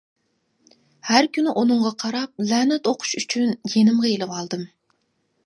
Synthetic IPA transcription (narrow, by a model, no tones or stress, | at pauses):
hæɾkʲʰynɪʔunɨŋʁɑqʰɑɾɑp̚lɛːnɛt̪oqʰʊ̥ʃyt͡ʃʰynjenɪmʁɑelˠɨwɑlˠd̪ɨm